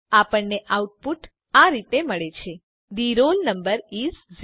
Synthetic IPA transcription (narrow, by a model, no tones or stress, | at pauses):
apəɳneʔauʈ̚puʈ | aɾit̪eməɭet͡ʃʰe | d̪iɾolnəmbəɾizz